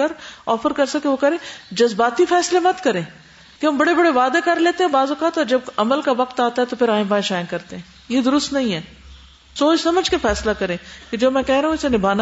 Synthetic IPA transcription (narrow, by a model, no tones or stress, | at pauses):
əɾɔːfəɾkɐɾsɐkeʋokɐɾẽːd͡ʒɐzbaːt̪ifɛːslemɐt̪kɐɾẽː | keɦɐmbɐɽebɐɽeʋaːd̪ekɐɾleːt̪eɦɛ̃baːzokaːt̪ɔːɾd͡ʒɐb̚ɐməlkaʋɐk̚t̪aːt̪aɦɛt̪opʰɪɾãːẽpaːɪʃaːɪ̃nkɐɾt̪eɦɛ̃ː | jed̪ʊɾʊst̪nɐɦĩɦɛː | soːt͡ʃsɐməd͡ʒkefɛːslakɐɾẽːked͡ʒoːmɛ̃ːkɛɦɾɐɦũɪsenɪbʱaːna